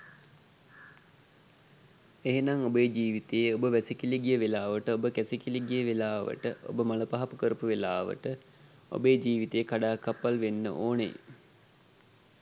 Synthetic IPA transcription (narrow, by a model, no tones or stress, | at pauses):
eɦenaŋobəjd͡ʒiːʋit̪ejəobəʋæsikiliɡijəʋelaːʋəʈəobəkæsikiliɡijəʋelaːʋə̰ʈəʔo̰bəmaləpaɦapukəɾəpuʋelaːʋə̰ʈə | o̰bəjːd͡ʒiːʋit̪ejəkaɖaːkapːalʋenːə̰ʔoːnḛ